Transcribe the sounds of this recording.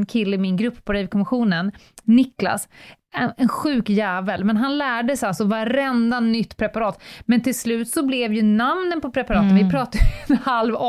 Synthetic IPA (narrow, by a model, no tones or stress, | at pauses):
nkʰɪlːəɪmɪnɡɾɵpːpʰɔɾɛvkʰɔmɪɧuːnənː | ɪkla̰s | ɛɛnɧʉ̟ːkjæːvəlmɛnɦanlæːɖəsalsɔvaɾɛnd̪anʏt̪ːpʰɾɛpaɾɑːt̪mɛnt̪ʰɪlslʉ̟ːt̪sɔblɛvjɵnamnənpʰɔpʰɾɛpaɾɑːt̪ənvɪpʰɾɑːt̪ajɛnhalv